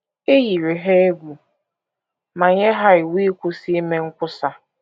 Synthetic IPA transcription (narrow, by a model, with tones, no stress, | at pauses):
e˦ji˨ɾe˨ɦe˦e˦ɡʷu˨ | ma˨ɲe˦ɦa˦ɪ˨wi˦kʷʊ˦si˦me˦ŋ̩˦kʷʊ˦sa˦